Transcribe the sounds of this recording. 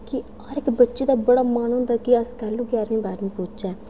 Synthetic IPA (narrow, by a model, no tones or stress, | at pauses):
kɪ | ɔːɾɪkbətːʃeːd̪aːbəɽaːmaːnɦʊ̃nd̪aːkɪəskəluːɡaːɾmĩːbaːɾmĩːpõːt͡ʃɛː